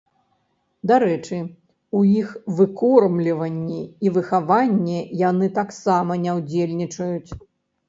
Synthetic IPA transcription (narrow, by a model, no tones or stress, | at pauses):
d̪aɾɛt͡ʂɨ | ujixvɨkɔrmlʲivɐnʲːiivɨxavanʲːɛjan̪ɨt̪aksamɐnʲɛwd͡zʲelʲnʲit͡ʂɐjut͡sʲ